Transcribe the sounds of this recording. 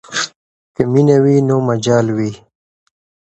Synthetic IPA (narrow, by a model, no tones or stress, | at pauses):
kəminawiːnoːmɐd͡ʑaːlwi